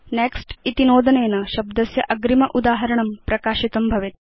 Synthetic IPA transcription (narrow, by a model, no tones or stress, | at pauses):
neksʈit̪inoːd̪ɐneːnɐʃɐb̚d̪ɐsjɐʔɐɡɾimɐʔud̪aːɦɐɾɐɳ̃ɐmpɾɐkaːɕit̪ɐmbʱɐʋet̪̚